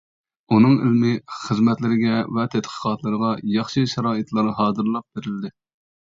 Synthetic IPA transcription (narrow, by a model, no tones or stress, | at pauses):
unɨŋɪ̰lmɪχəzmɛt̪lɪɾɪɡʲɛvɛt̪ʰɛt̪qʰə̥qʰɑt̪lˠɨɾəʁɑjɑχʃɨʃɛɾɑːɨt̪lˠɑɾɨɦɑːzɨɾlˠɑp̚b̥eɾɪld̪ɪ